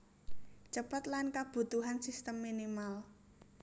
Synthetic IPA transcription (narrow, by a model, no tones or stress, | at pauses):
t͡ʃəpət̪lankab̥ṳt̪uɦansist̪əmːinimal